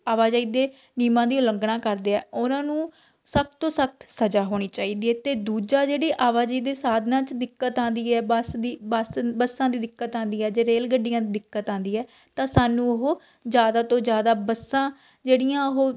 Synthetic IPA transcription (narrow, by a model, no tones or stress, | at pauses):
aːʋaːd͡ʒaːiːd̪eː | niːmãːd̪iːʊləŋɡɽãːkəɾd̪eːɛ̰ːʊnãːnũː | sək̚t̪ːõːsək̚t̪səd͡ʒaːɦoːɽ̃iːt͡ʃaːiːd̪iːɛːt̪eːd̪uːd͡ʒaːd͡ʒeːɽiːʔaːʋaːd͡ʒiːd̪eːsaːd̪ʱnãːt͡ʃd̪ɪkːət̪ãːnd̪iːɛːbəsd̪iːbasbəsːãːd̪iːd̪ɪkːət̪ãːnd̪iːɛːd͡ʒeːɾeːlɡəɖːɪjãːid̪ɪkːət̪ãːnd̪iːɛː | t̪ãːsaːnːũːəɦoː | d͡ʒjaːd̪aːt̪õːd͡ʒjaːd̪aːbəsːãː | d͡ʒeːɽijãːəɦoː